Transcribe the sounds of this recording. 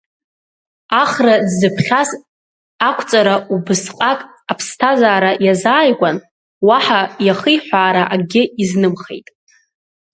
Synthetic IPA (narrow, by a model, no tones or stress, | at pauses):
aχradːɨpʰχʲas | akʷʰt͡sʼaɾaubɨsqʼakʼ | apʰstʰazaːɾajazaːjɡʷan | waħajaχəjħʷaːɾaʔaɡʲɪiznɨmχḛjtʼ